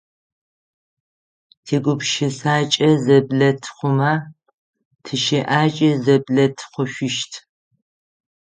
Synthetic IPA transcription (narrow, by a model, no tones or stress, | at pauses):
tʰeːɡʷʊpʃɪsaːt͡ʃʼɐzɐbɮɐtʰχʷʊma | tʰɨʃeʔaːt͡ʃʼɐzɐblɐtʰχʷʊɕʷɪʃtʰ